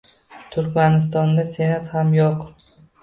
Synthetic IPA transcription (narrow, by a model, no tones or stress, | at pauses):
t̪ʰʊɾkʲmanɪs̬t̪ɒnd̪ase̞nat̪hamjɒq